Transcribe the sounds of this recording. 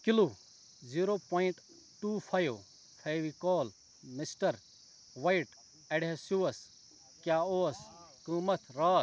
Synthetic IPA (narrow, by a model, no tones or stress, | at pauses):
kilu | ziːɾoːpoːiɳʈ | ʈuːpʰɐjʋ | pʰajʋikɔːl | mɪsʈɐɾ | ʋɐjʈ | eɽesuːɐs | kjaːoːskɨ̃ːmɐt̪ʰɾaː